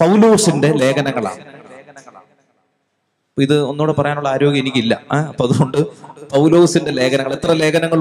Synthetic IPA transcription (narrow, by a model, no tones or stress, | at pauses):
pɐwloːsinde̞le̞ːkɐnɐŋːɐɭa̰ːɳɨːkɐnɐŋːɐɭaːɳɨ | ɐpːoːiðɨo̞nːoːɽepɐrɐjaːnuɭːɐaːɾo̞ːɡjɐenikʲːilːɐ̰ɐpːoːɐðuɣo̞ɳɖɨpɐwloːsinde̞le̞ːkɐnɐŋːɐɭet̪rɐle̞ːɣɐnɐŋːɐɭ